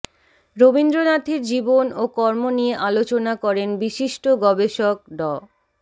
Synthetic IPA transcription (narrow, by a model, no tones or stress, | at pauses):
ɾobind̪ɾonat̪ʰiɾd͡ʑibonokɔɾmonijeʔalot͡ɕonakɔɾenbiʃiʃʈoɡɔbeʃok̚ɖɔ